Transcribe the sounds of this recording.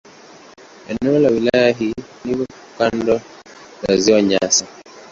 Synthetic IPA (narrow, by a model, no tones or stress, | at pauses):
ɛnolawilajaɦiniβɔ | kandɔ | laziɔɲasa